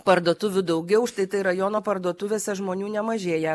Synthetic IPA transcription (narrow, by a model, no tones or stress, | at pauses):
pɐɾd̪oːt̪ʊʋʲʊd̪ɐʊɡʲɛʊʃt̪ɐɪt̪ɐɪɾɐjoːnoːpɐɾd̪oːt̪ʊʋʲeːsʲɛʒmoːnʲuːnʲɛmɐʒʲeːjɛ